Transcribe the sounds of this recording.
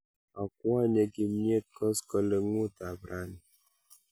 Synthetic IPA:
ɔ˨k̚wa˦ɲe˨ki˦mje˦kɔ˦skɔ˦lə˦ŋu˦ta˨bɾa˦ni˨

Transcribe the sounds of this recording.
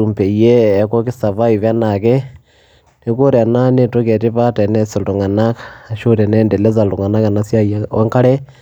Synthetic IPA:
u˨mpe˨ijeː˦ko˦ki˦sa˨βa˦i˨βa˦na˨kɛ˦ | neko˦ɾa˨na˦ne˦to˦kɛ˨ti˦βa˦te˨nɛ˦si˨lu˨ŋa˨na˦kʃo˦ɾɛ˨nɛndɛ˨lɛ˦za˨lu˨ŋa˨na˦ka˨nasja˦ja˦ḛ˦ŋka˦ɾɛ˦

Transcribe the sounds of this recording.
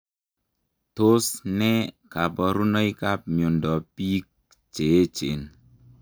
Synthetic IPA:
to˦snɛ˦ka˨pɔ˨ɾu˦nɔ˦i˦ka˦p̚mjo˨ndɔ˨pi˦k̚ | t͡ʃe˨e˦t͡ʃḛ˨n

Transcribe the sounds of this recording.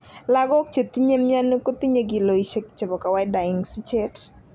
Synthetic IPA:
la˦ɡɔ˦k̚t͡ʃe˨t̪i˦ɲe˦mja˦nu˦ko˦t̪i˦ɲe˦ɡi˨lo˨i˨ʃe˨kt͡ʃe˨bɔ˨ka˨wa˦jda˨ɪ˨ŋsi˦t͡ʃe˦t

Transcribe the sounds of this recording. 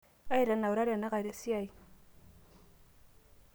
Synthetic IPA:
a˦i˦˨ɾa˨na˨u˨ɾa˦ɾa˨na˦ka˨ɾe˨si˦a˦˨i˨

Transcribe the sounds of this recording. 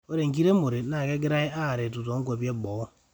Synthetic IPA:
o˦ɾe˨ŋ̩˨k̬i˦ɾe˦mo˨ɾe˨˦na˨ke˦ɡɪ˦ɾa˦i˦a˦˨ɾe˨tu˨to˨˦ŋ̩˦kʷe˨pje˦ɡ͡bɔ˨˦

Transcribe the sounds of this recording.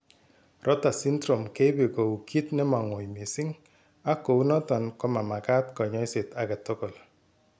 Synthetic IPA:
ɾʔɔ˦ta˨si˦ndɾo˨mke˦be˨ko˨u˨ki˦tnɪ˦ma˨ŋo˨jmɪ˨sɪ˦ŋ | a˦ko˨u˦nɔ˦tɔ˨nkɔ˦ma˨ma˨ka˦tkɔ˨ɲɔ˦jsɪ˨ta˨ka˨to˦kɔ˨l

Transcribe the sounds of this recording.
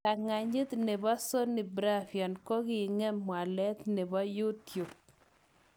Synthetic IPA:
a˨ŋa˨ɲɪ˦t̪ne˨bɔ˦so˦nɪ˨bɾa˦fjɔ˨nko˦kɪ˨ŋɛ˦mːwa˨lɛ˦t̪ne˨bɔ˦ju˦tju˨p̚

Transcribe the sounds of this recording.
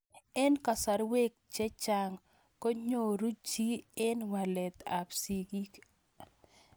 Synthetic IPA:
ɛ˦nka˨sa˨ɾwe˦k̚t͡ʃe˦t͡ʃa˨ŋ | ko˦ɲo˨ɾu˦t͡ʃi˦ɪ˦nwa˨lɛ˨t̪a˨psi˨ɡi˦k

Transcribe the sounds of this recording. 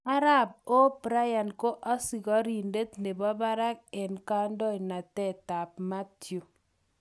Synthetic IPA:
a˦ɾa˦b̚o˦pɾa˦ja˨nko˦ʔa˦si˨ɣɔ˦ɾi˨nde˦tne˨bɔ˦ba˦ɾa˦k̚ɛ˨nka˦ndɔ˦˨i˨na˨tɛ˦˨ta˨p̚ma˦tjo˨

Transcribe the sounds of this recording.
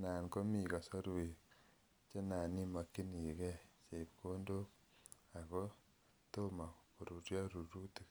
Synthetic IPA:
naː˨nko˦mi˨ka˨so˦ɾu˨ | t͡ʃe˦naː˨ni˦ma˨kːi˦ni˨kɛ˦t͡ʃe˨p̚kʰo˦ndo˦k | a˨kɔ˦ | to˦ma˨ko˨ɾu˨ɾja˦ɾu˨ɾu˦ti˦k

